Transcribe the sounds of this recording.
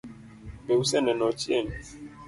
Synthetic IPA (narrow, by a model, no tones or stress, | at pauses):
beusɛnɛnɔt͡ʃieni